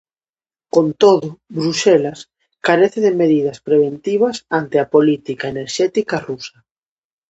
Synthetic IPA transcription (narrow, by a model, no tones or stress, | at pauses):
kont̪oðʊβɾusɛlas | kaɾeθeðemeðiðaspɾeβ̞ent̪iβ̞asant̪eapolit̪ikaeneɾʃɛt̪ikarusa